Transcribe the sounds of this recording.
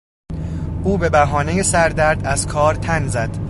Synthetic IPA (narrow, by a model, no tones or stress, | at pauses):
ʔuːbe̞bæɦɒːneje̞sæɾd̪æɾd̪æzkʰɒːɾt̪ʰænzæd̪̥